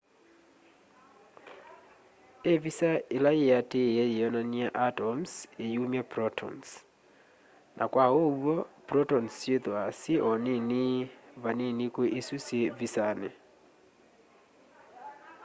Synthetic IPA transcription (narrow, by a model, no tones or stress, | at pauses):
evisaelajeateɛjeɔnaniaʔatɔmsejumjapɾɔtʰɔ̰ns | nʔakwaowɔpɾɔtɔnsjeðoaseʔɔneniβanenikweʔesusevisanɛ